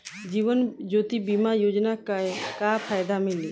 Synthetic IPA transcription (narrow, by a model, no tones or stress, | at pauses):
d͡ʒiːʋənd͡ʒoːt̪ibimajoːd͡ʒnakakapʰaːjd̪amɪli